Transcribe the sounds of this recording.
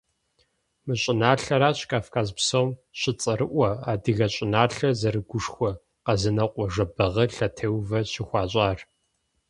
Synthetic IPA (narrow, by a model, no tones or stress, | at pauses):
mɨɕʼɪnaːɬɐɾaːɕkʰʼaːfkʰaːzpsowmɕɪt͡sʼɐɾɨʔʷɐaːdɨɣɐɕʼɪnaːɬɐzɐɾɨɡʷʊʂxʷɔ | qɐzɨnɐqʷʼɔʒɐbɐʁɐɬɐtʰeːwvɐɕɪxʷɑːɕʼaːr